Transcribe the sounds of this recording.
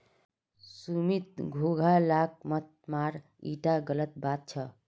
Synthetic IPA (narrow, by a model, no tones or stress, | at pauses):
sumit̪̚ɡʱoɡʱalak̚ʰmət̪̚maɾ | ḭʈaɡələt̪̚bat̪̚t͡ʃʰə